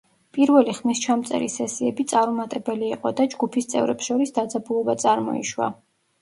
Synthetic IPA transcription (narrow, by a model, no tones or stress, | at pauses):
pʼiɾvɛliχmist͡ʃʰamt̪sʼɛ̰ɾḭsɛsiɛbit̪sʼaɾumat̪ʼɛbɛliːqʼɔd̪ad͡ʒɡupʰist̪sʼɛ̰vɾɛpsʃɔɾisd̪ad̪zabulˠɔbat̪sʼaɾmɔ̰ḭʃwa̰